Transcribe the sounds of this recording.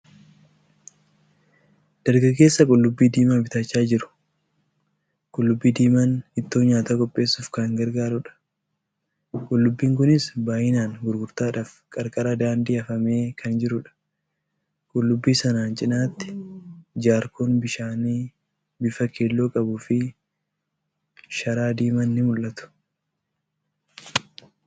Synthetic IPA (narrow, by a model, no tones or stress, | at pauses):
d̪̥ɐɾɡɐɡːe̞ːsːɐkʼʊlːʊbːiːd̪iːmabɪt̪ɐt͡ʃːaːd͡ʒɪɾʊ̥ | kʼʊlːʊbːiːd̪iːmanɪt̪ːo̞ːɲaːt̪aːkʼɔpʼːe̞ːsʊːfkɐŋɡɐɾɡaːɾʊᶑɐ̥ | kʼʊlːʊbːiːŋkʊnɪsbaːʔɪnaːŋɡʊɾɡʊɾt̪aːᶑaːfkʼɐɾkʼɐɾɐd̪aːnd̪iːɐfɐme̞ːkʰɐnd͡ʒɪɾʊᶑɐ̥ | kʼʊlːʊbːiːsɐnaːnt͡ʃʼɪnaːt̪ːɪ̥d͡ʒaːɾkʰoːnbɪʃaːniː | bɪfɐkʰeːlːo̞ːkʼɐbʊfɪ | ʃɐɾaːd̪iːmɐnːɪmʊlʔɐt̪ʊ̥